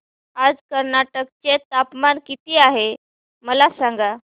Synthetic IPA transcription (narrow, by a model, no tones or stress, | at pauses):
ad͡zkəɾnaʈək̚t͡ɕet̪apmankit̪iːaɦe | məlasãŋɡa